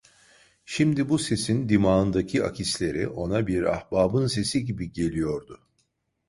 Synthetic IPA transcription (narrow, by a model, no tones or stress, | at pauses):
ʃimd̪ibuse̞sind̪imaːɯnd̪acʰia̰cʰislʲe̞ɾḭʔo̞nabiɾa̰hbaːbɯnse̞siɟibiɟe̞lʲijo̞ɾd̪ʊ